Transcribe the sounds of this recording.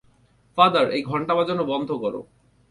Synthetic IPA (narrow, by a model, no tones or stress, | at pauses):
fad̪əɾejɡʱɔɳʈabad͡ʑonːobɔnd̪ʱokɔɾo̰